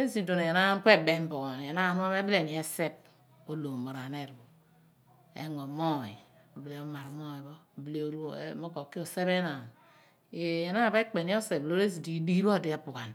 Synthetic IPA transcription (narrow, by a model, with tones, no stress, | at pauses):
e˦zi˨do˨ne˨je˨na˦ke˦˨be˦m˦bo˨e˨na˦˨nu˦a˦me˦bi˦le˨ni˨e˦se˦p̚ | o˦lo˨mo˨ɾa˨ne˦˨ɾbo˨ | ḛ˨ŋo˨mo˦˨i˨ | o˨ble˨o˨˦ma˨ɾmo˦i˨bo˦˨ble˨˦o˦ɾ̰mo˦ko˨kːi˦o˨se˦βe˦na˨n˦ | e˨˦˨je˨˦na˦˨be˦k͡pe˨ni˦o˦se˨blo˦ɾe˦zi˨di˨˦di˦i˦bo˦˨di˦a˦pu˨ka˨n